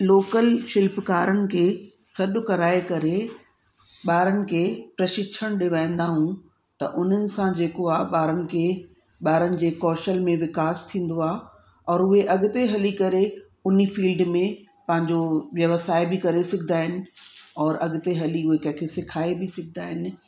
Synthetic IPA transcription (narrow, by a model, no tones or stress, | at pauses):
loːkəlʃɪlpkaːɾənɪ̆kʰeː | sɐɗʊ̆kɐɾaːekɐɾe | ɓaːɾənɪ̆kʰeːpɾɐʃɪt͡ʃʰəɽ̃ɗɪʋaːĩnd̪aɦũ | t̪ɐ̰ʔʊn̤ənɪ̆sãd͡ʑeːkoaːɓaːɾənɪ̆kʰe | ɓaːɾənɪ̆d͡ʑeːkɔːʃəlmẽʋɪkaːst̪ʰĩːn̆d̪oaː | ɔːɾʊɦeʔɐɠʊt̪eɦɐlikɐɾe | ʊnifiːlɖmẽ | pɐ̃ɦɪ̃ɲd͡ʑoʋjɐʋəsaːebɪkɐɾesɪkʰɪd̪aːɦɪnɪ̆ɔːɾʔɐɠt̪eɦɐliʊɦekɐ̃ɦkʰesɪkʰaːebʱɪsɪkʰɪd̪aːɦɪnɪ̆